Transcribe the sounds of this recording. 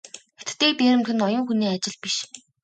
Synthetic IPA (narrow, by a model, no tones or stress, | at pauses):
xet̪t̪ːeːpʲeːɾɘ̆mt̪ʰɵ̆nɔjɞ̆ŋxuniːat͡ɕɪ̆ɮpiʃ